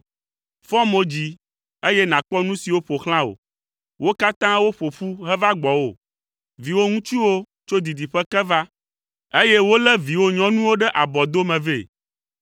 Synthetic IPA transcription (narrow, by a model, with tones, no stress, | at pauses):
fɔ̃˦mo˦d͡ʑi˨ | e˦je˦nã˨k͡pɔ˦nũ˦si˨wo˦ɸo˨xl̃ã˦o̰˨ | wʔo˦ka˦t̪ã˦wo˦ɸo˨ɸu˦ɦɛ˦va˦ɡ͡bɔ˨wo̰˦˨ | vi˨wo˦ŋũ˦t͡ʃu˦wo˦ | t͡ʃo˦d̪i˨d̪i˨ɸɛ˦kɛ˦va˦ | e˦je˦wo˦lɛ˦vi˨wo˦ɲɔ̃˦nũ˦wo˦ɖɛ˦ʔa˨bɔ˨d̪o˦mɛ̃˨ve˦˨